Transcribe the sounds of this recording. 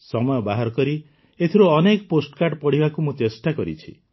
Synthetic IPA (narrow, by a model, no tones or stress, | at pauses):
sɔmɔjɔbaɦɔɾɔkɔɾi | et̪ʰiɾuɔnekɔposʈɔ̥kaʈpɔɽibakumũt͡ʃesʈakɔɾḭt͡ʃʰḭ